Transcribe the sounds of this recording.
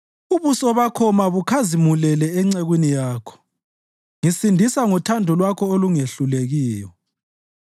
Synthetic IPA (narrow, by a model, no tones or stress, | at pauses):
uβusɔβakʰɔmaβukʰazimulɛlɛɛŋ͡ǀeɣwinijaːkʰɔ̥ | ŋisindʱisaŋɔtʰandʱɔlwakʰɔoluŋeɬuleɣiːjɔ